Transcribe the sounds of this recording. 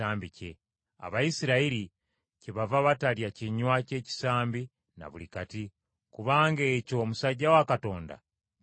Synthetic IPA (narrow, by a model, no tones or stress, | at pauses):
aːmbice̞ | a̰βajisiɾaiɾi | ceβavaβataljaciɲwace̞ːci̥saːmbi | na̰βṵlikati | kuβaːŋɡe̞ːco̞musaɟːawakato̞ːnda̰